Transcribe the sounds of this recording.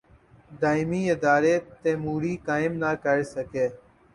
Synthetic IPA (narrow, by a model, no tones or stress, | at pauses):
ɖaːɪmiːɪd̪aːɾeːt̪ẽːmuːɽiːkaːɪmnaːkəɾsəkeː